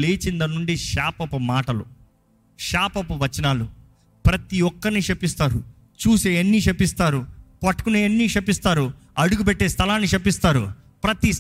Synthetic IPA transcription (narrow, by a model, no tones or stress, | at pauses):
leːt͡ʃind̪ɐnuɳɖiʃaːpɐpɐmaːʈɐlṵ | ʃaːpɐpɐʋɐt͡ʃːɐnaːlu | pɾɐt̪iɔkːɐɾnit͡ʃepːist̪aːɾu | t͡ʃuːseːenːiːt͡ʃepːist̪aːɾupɐʈːkuneenːiːt͡ʃepːist̪aːɾu | ɐɽuɡupɛʈːe̞ːst̪ʰɐlaːnːit͡ʃepːist̪aːɾṵ | pɾɐt̪i